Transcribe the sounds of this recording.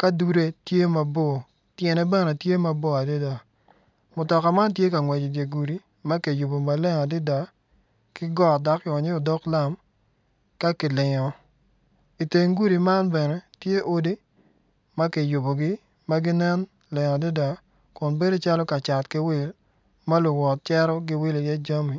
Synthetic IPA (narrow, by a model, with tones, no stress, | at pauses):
ka˦du˨ɾe˦tje˦ma˨bɔ˦˨ | tjɛ˨nɛ˦bɛ˦ne˨tje˦ma˦bɔ˦a˨di˦da˨ | mʊ˨tɔ˨ka˨ma˦nt̬je˦ka˨ŋwɛ˨d͡ʒi˨dje˨ɡu˨ɾi˨ | ma˦ke˨ju˨bo˨ma˨lɛ˦ŋa˨dɪ˦da˨ | kɪ˦ɡɔ˦˨da˦kːɪ˨ɔ˨ɲɪ˦ɔ˨dɔ˦kla˦m | ka˦kɪ˨lɪ˨ŋɔ˨ | i˨te˨ŋɡu˦ɾi˨ma˦nbɛ˨nɛ˨˦tje˦ʔo˦di˦ | ma˦ke˨ju˨bo˨ɡɪ˦ | ma˦ɡɪ˦nɛ˦n | lɪ˨ŋa˨di˦da˨ | kʊ˨nbe˦de˦t͡ʃa˦lɔ˦ka˨t͡ʃa˨tkɪ˦wɪ˦˨l | ma˦lʊ˨wɔ˨t̚t͡ʃɛ˦ɾɔ˦ɡɪ˦wɪ˦li˨jɛ˦d͡ʒa˦mi˨